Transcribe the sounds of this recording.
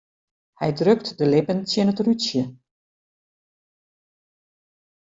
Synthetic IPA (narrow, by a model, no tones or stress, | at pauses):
hɛjdrøktdəlɪpəntjənətrysjə